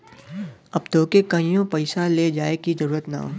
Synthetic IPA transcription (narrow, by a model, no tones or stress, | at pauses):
ɐb̚d̪ʱoːkekɐĩjõpɐɪsaled͡ʒaːekizɐɾuːɾət̪na̰ːɦo̰ː